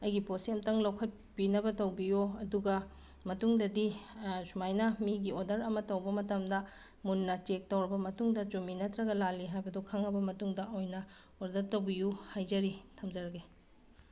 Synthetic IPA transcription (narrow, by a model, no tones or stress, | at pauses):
ɐjɡiposiɐmtɐŋlɐwkʰɐt̚ | pinɐbɐtɐwbijoɐduɡɐ | mɐtuŋdɐdisumajnɐmiɡiodɐɾɐmɐtɐwbɐmɐtɐmdɐ | munːɐt͡ʃek̚tɐwɾɐbɐmɐtuŋdɐd͡ʒominɐtɾɐɡɐlalːiɦajbɐdokʰɐŋɐbɐmɐtuŋdɐojnɐ | oɾdɐtɐwbijuhajzɐɾitʰɐmd͡ʒɐɾɐɡe